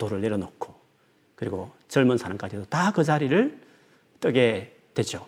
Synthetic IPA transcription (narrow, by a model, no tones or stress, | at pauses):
toɾɯɭːe̞ɾjʌnokʰo̥ | kɯɾiɡo | t͡ɕʌɭmunsʰanɯŋk͈ad͡ʑiedotakɯd͡ʑaɾiɾɯɭ | t͈ʰʌɡe̞ | twe̞d͡ʑo